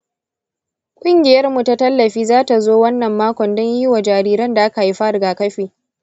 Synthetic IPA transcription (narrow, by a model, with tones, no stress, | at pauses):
kʷʼʊ˦ŋɡʲɪ˨jɐ˦rmu˨ta˦tɐ˦lːɐ˨ɸiː˦zaː˦ta˨zoː˦wɐ˦nːɐ˨mːaː˦kʷɔ˨ndɔ˦ɲji˦wa˨d͡ʒaː˨ɾiː˦ɾɐ˦nda˨ʔa˦ka˨ji˦ɸa˦ɽʊ˨ɡaː˨kɐ˦ɸiː˨